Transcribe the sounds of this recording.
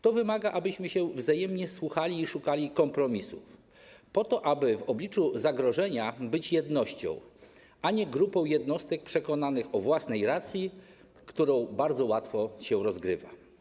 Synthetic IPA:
t̪ɔvɘmaɡaʔabɘɕmɘɕɛvzajɛmɲɛswuxalʲiːʂukalʲikɔmpɾɔmʲisuf | pɔt̪ɔʔabɘvɔblʲit͡ʂuzaɡɾɔʐɛɲabɘt͡ɕjɛd̪nɔɕt͡ɕɔ̰̃w̃ | ʔaɲɛɡɾupɔ̃w̃jɛd̪nɔst̪ɛk̚pʂɛkɔnanɘxɔvwasnɛjɾat̪sʲji | kt̪uɾɔ̃w̃baɾd̪zɔwat̪fɔɕɛɾɔzɡɾɘva̰

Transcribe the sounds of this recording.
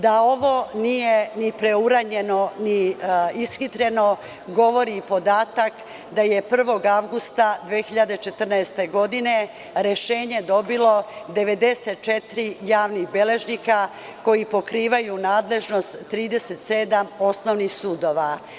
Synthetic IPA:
d̪ao̞ʋo̞nije̞nipɾe̞uɾaɲe̞no̞niisxit̪ɾe̞no̞ | ɡo̞ʋo̞ɾiːpo̞d̪aːt̪ak | d̪aje̞pr̩ʋo̞ɡaʋɡust̪ad̪ʋexiʎad̪e̞t͡ʃe̞t̪ər̩naest̪e̞ɡo̞d̪ine̞ | ɾe̞ʃe̞ːɲe̞d̪o̞bilo̞d̪e̞ʋe̞d̪e̞set̪̚t͡ʃet̪ɾijaːʋniɣbe̞le̞ʒnika | ko̞jipo̞kɾiːʋajunaːd̪le̞ʒno̞st̪ːɾiːd̪e̞se̞t̪se̞d̪amo̞snoʋnixsuːd̪o̞ʋa

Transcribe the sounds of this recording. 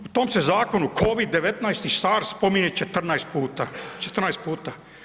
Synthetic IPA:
ut̪oːmsezaːko̞nukʰoʋid̪ːeʋet̪najst̪isaɾspomiɲet͡ʃet̪r̩naest̪̚puːt̪at͡ʃet̪r̩najst̪̚puːt̪a

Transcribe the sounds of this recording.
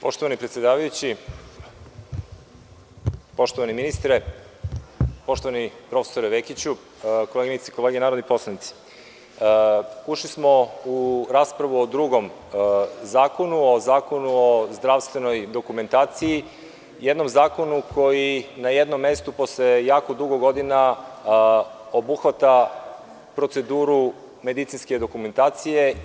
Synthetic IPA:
po̞ʃt̪oʋanipɾet̪sʲjed̪aːʋajut͡ɕi | po̞ʃt̪o̞ʋaniminist̪ɾe | po̞ʃt̪oʋanipɾo̞fe̥so̞ɾeʋekit͡ɕu | ko̞leɡinit̪si̥koleɡenaːɾod̪nipo̞slˠanit̪si̥ | uʃlismo̞uɾaːspɾaʋuod̪ɾuɡo̞m | zaːko̞nuozaːko̞nuozd̪ɾaʋst̪ʋe̞no̞jd̪o̞kume̞nt̪aːt̪siji | jed̪no̞mzaːko̞nukʰo̞jinajed̪nomːe̞st̪upo̞slejaːko̞d̪uɡoɡo̞d̪ina | obuxʋat̪a | pɾo̞t̪se̞d̪uːɾu | me̞d̪it̪sinske̞d̪o̞kume̞nt̪aːt̪sije̞

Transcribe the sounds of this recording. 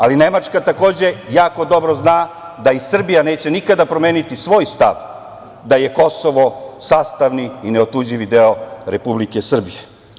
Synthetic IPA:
aline̞mat͡ʂkat̪ako̞ːd͡ʑe̞jaːko̞d̪o̞bɾoznaː | d̪aisr̩bijane̞ːt͡ɕe̞nikad̪apɾo̞meːnit̪isʋo̞ːjst̪a̰ʋ | d̪aje̞ko̞so̞ʋo̞saːst̪aʋniineot̪uːd͡ʑiʋid̪eoɾe̞publike̞sr̩bije

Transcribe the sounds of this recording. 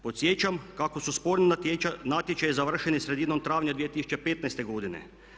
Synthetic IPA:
po̞t̪sjet͡ʃamkakosuspoɾninat̪jet͡ʃajizaʋr̩ʃenisɾe̞d̪iːnomt̪ɾaːʋɲad̪ʋijet̪isu̥t͡ʃepet̪najst̪e̞ɡod̪inḛ

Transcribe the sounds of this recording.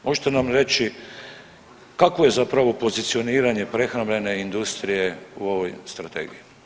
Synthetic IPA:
mʔo̞ʒet̪enamɾe̞t͡ɕi | kakʋoje̞zapɾaʋo̞po̞zit̪sio̞niːɾaɲe̞pɾe̞xɾambʎʲe̞ne̞ind̪ust̪ɾije̞uo̞ʋo̞jst̪ɾat̪ḛːɡḭji

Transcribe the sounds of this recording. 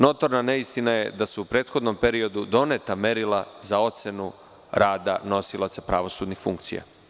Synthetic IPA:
no̞t̪o̞ɾnane̞ist̪inaje̞d̪asuupɾe̞ːt̪xo̞d̪no̞mpe̞ɾio̞d̪ud̪o̞net̪ame̞ɾilˠazao̞t̪senu | ɾaːd̪a̰no̞silˠat̪sepɾaʋo̞suːd̪nixfuŋk̚t̪sḭja̰

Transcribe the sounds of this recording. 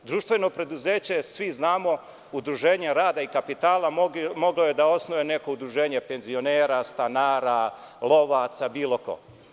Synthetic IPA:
d̪ɾuːʃt̪ʋe̞no̞pɾe̞d̪uzeːt͡ɕe̞sʋiznaːmo̞ | ud̪ɾuʒe̞ːɲeɾaːd̪aikapit̪aːlˠamo̞ɡlo̞je̞d̪ao̞snoʋene̞koud̪ɾuʒe̞ːɲe̞pe̞nzio̞neːɾast̪anaːɾa | lˠo̞ʋaːt̪sabiːlo̞ko̞̰

